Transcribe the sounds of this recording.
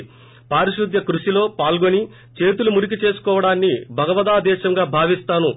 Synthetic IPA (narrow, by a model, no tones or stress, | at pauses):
paːɾiʃud̪ʱjɐkɾuʃilo̞ːpaːlɡoni | t͡ʃe̞ːt̪ulumuɾik̬it͡ʃe̞ːsu̥kɔːʋɐɽaːnːibʱɐɡɐʋɐd̪aːd̪ɛːʃɐŋɡaːbʱaːʋist̪aːnu